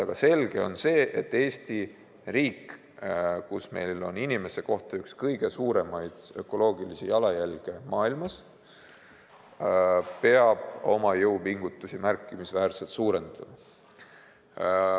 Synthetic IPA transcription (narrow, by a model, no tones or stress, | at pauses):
ɑɡ̥ɑse̞lɡ̥e̞o̞̰nse̞ːʔet̪ːe̞ːsʲt̪i | riːk | kusme̞̰jlo̞̰ninime̞se̞ko̞ht̪ɑykskɤjɡ̥e̞suːɾe̞mɑjd̪̥ø̞kːˑo̞lo̞ːɡ̥ilisijɑlɑjælɡ̥e̞mɑːilmɑs | pe̞ɑb̥o̞mɑjɤwpiŋɡ̥ut̪ːˑusimærkːˑimisvæːrse̞lt̪suːɾe̞nd̪̥ɑmɑ